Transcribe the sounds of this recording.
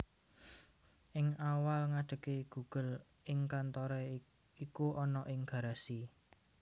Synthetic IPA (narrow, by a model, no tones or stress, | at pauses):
ʔɪŋawalŋaɖ̥ə̤keɡ̥ṳɡ̥ə̤l | ɪŋkant̪ɔɾɛ | ikuʔɔnɔʔɪŋɡ̥ä̤ɾasi